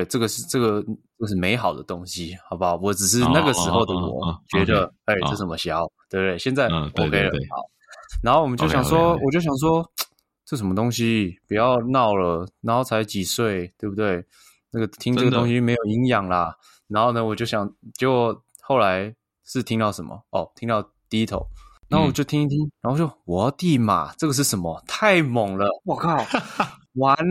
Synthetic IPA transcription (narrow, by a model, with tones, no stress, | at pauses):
e˥˩ɪʈ͡ʂɤ˥˩ɡə˩ʂɻ̩˥˧ʈ͡ʂɤ˥˩ɡə˩ʈ͡ʂə˥˧ʂ̬ɻ̩˥˩me˧˥ɪxɑ˨˩ʊd̪ə̰˦t̪o˦˥ŋɕi˦xɑ˨˩ba˨˦wɔ˨˦ʈ͡ʂɻ̩˨˩ʂɻ̩˥˧na˥˩ɡə˩ʂɻ̩˧˥xo˥˧ʊd̪ə˨wɔ̰˨˩t͡ɕɥɛ˧˦˥d̪ə˧e˥˧ɪɤ˥˧˥m˧ɕjɑ˧˥ʊt̪we˥˩bu˨t̪we˥˩ɪɕjɛ˥˧nt͡sa˥˩ɪwɔ̰˨˩kʰe˧˥ɪ˨lə˧˥xɑ̰˨˩˦ʊ | na˧˥xo˥˩ʊwɔ˨mə˦t͡ɕjo˥˩ʊɕjɑ˨˩ŋʂwɔ˦wɔ˨˩t͡ɕjo˥˩ɕjɑ˨˩ŋʂ̬wɔ˥ | ʈ͡ʂɤ˥˩ʂə˧˥mə˧t̪o˥ŋɕi˦pu˨˩jɑ˥˧ʊnɑ˥˩ʊlə˩na˧˥nxo˥˩ʊt͡sʰa˧˥t͡ɕi˨˩swe˥˩ɪt̪we˥˩ɪbu˧t̪̬we˥˩ɪ | na˥ɡə˩t̪ʰi˥ŋʈ͡ʂɤ˥ɡəʊ˥ŋɕi˥me˧˥ɪjo˨˩ʊi˧˥ŋjɑ˨˩ŋlɐ˦ | na˧nxo˥˩ʊnə˩wɔ˨˩t͡ɕjo˥˩ʊɕjɑ˨˩ŋt͡ɕɡwɔ˨˩˨ | xo˥˩ʊla˧˦ɪ | ʂɻ̩˥˩t̪ʰi˥ŋt̪ɑ˥˩ʊʂə˧˦nmə̰˨ɔ˥˩t̪ʰi˥ŋt̪ɑ˥˧ʊ | t̪i˥˧i˦˥t̪ʰo̰˨˧˦ʊna˨˥˩xo˥˩˨t͡ɕjo˥˩ʊt̪ʰi˥ŋi˥t̪ʰi˥ŋna˨˧˥xo˥˩t͡ɕo˥˩wɔ˨˦t̪i˥˩ma̰˨˩ʈ͡ʂɤ˥˩ɡə˩ʂ̬ɻ̩˥˩ʂə˧˥nmə˧t̪ʰa˥˩ɪmo˨˩ŋlə˦pʊkɑ˥˩ʊ | wa˧˥n